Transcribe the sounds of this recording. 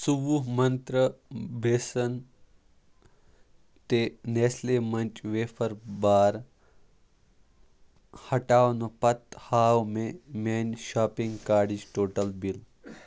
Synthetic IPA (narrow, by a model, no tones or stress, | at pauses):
subuɦmɐnt̪ɾəbʱeːsɐn | t̪eneːslemɐnt͡ʃʋeːfʰɐɾbaːɾ | hɐʈaːwnopɐt̪haːwmemeːnʲʃaːpiŋɡkaːɖid͡ʒʈoːʈɐlbil